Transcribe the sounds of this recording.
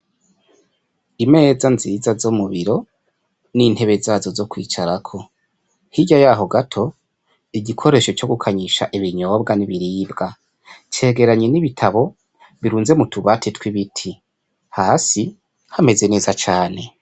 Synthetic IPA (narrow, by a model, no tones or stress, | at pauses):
ime̞ːzanzizazomuβiɾo̞ | nin̥he̞βe̞zaːzo̞zo̞kwḭːt͡ʃaɾakʰo̞ | hiɟajaːɦo̞ɡatʰo̞ | iɟikʰo̞ɾe̞ʃo̞t͡ʃo̞ɡukʰaɲiʃa̰ʔiβiɲo̞ːbɡaniβiɾiːbɡa | t͡ʃe̞ːɡe̞ɾaɲeniβitʰaβo | βiɾuːnze̞mutʰuβatʰitwiβitʰi | haːsi | hame̞ze̞ne̞ːzat͡ʃaːne̞